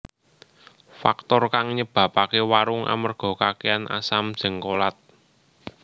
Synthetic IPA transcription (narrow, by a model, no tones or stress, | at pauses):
fa̰k̚t̪ɔrkaŋɲəb̥ä̤pakewaɾʊŋʔa̰mərɡ̥ɔ̤kakeanʔa̰sam̥ʒ̥ə̤ŋkolat̪̚